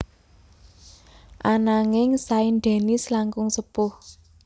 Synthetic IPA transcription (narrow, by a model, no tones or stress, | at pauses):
ʔanaŋɪŋsainɖɛ̤nislaŋkʊŋsəpʊh